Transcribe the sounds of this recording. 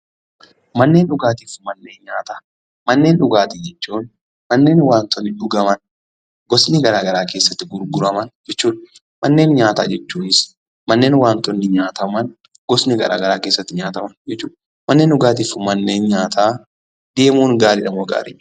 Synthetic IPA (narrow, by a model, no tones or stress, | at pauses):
mɐnːe̞ːnᶑʊɡaːt̪iːfmɐnːe̞ːnɲaːt̪aː | mɐnːe̞ːnᶑʊɡaːt̪ɪd͡ʒɛt͡ʃːuːn | mɐnːe̞ːnwaːnt̪ɔnːɪᶑʊɡɐmɐn | ɡɔsnɪɡɐɾaːɡɐɾaːke̞ːsːɐt̪ːɪɡʊɾɡʊɾɐmɐnd͡ʒɛt͡ʃːuːᶑɐ | mɐnːe̞ːnɲaːt̪a̰ːd͡ʒɛt͡ʃːuːnɪs | mɐnːe̞ːnwaːnt̪ɔnːɪɲaːt̪ɐmɐn | ɡ̥ɔsnɪɡɐ̰ɾʔa̰ːɡɐɾaːkeːsːɐt̪ːɪɲaːt̪ɐmɐnd͡ʒɛt͡ʃːuːᶑ | mɐnːeːnʔʊɡaːt̪iːfmɐnːe̞ːnɲaːt̪ʰaː | d̪e̞ːmuːnɡaːɾɪᶑɐmoːɡa̰ːɾɪ̰